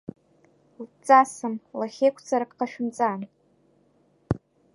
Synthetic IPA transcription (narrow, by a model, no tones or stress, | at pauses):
lt͡sʼasɨmlaχʲejkʷʰt͡sʰʼaɾakʼqaʃᶣʊmt͡sʼan